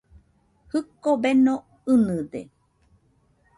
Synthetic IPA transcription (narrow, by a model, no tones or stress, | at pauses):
hɨkobenõ | ɨnɨd̪ḛ